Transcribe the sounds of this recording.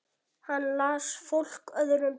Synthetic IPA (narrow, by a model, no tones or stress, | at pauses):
hanːlaːsfowl̥kœðʏɾʏm